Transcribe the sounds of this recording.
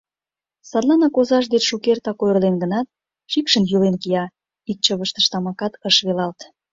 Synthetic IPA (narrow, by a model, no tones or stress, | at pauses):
sɑd̪lˠɑnɑkozɑʃd̪et͡ɕʃukert̪ɑkojlenɡənɑt̪̚ | ʃikʃənjylenkijɑ | ik̚t͡ɕəβəʃt̪ə̥̆ʃt̪ɑmɑkɑt̪əʃβelɑlt̪